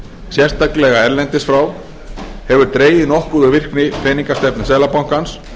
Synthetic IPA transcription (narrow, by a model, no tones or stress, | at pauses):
sjɛr̥st̪aklɛɣaɛɾlɛnt̪ɪsfɾaw | hɛvʏɾt̪ɾeːjðɪnɔhkʏðʏvɪr̥knɪfɛniŋkast̪ɛp̚nḁsɛːlapawŋ̥kans